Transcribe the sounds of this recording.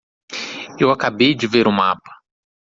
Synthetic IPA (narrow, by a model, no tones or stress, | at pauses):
ewakabejd͡ʒɪveɾʊmapɐ̥